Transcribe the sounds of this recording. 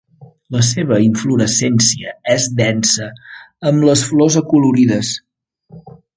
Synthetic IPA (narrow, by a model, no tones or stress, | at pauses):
ləseβ̞əiɱfluɾəsɛnsiəɛzd̪ɛnsəəmləsflɔzəkuluɾiðəs